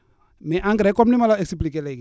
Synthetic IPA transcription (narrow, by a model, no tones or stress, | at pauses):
mɛʔaŋɡɾɛkɔmnimalaesip̬likelɛɡi